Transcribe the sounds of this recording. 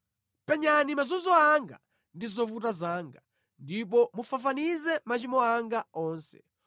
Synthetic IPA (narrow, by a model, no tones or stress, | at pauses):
pɛɲanimazɔnzɔaŋɡa̰ | ndizɔvutazaːŋɡa | ndip̬ɔmufafanizɛmat͡ʃimɔaŋɡaɔːnsɛ̥̰